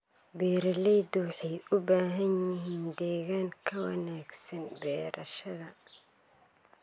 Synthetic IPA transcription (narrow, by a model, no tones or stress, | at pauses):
biːɾɐlijd̪ʊwħɛjʊbaːɦɐnjɪɦiːnd̪ɛːɣaːŋkʰɐwɑ̰naːɡsɐnbɛːɾʔɐʃɐðɐ